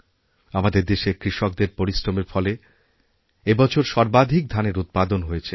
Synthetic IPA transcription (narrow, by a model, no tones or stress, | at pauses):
amad̪eɾd̪eʃekɾiʃok̚d̪eɾpoɾisɾomeɾfɔle | ebɔt͡ɕʰoɾʃɔɾbad̪ʱik̚d̪ʱaneɾut̪̚pad̪onɦojet͡ɕʰe